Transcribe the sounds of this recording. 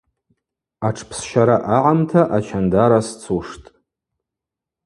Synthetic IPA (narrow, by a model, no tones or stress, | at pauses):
aʈ͡ʂʰpʰsʃaɾaʔaʕamtʰaʔat͡ʃʰandaɾast͡sʰuʂtʼ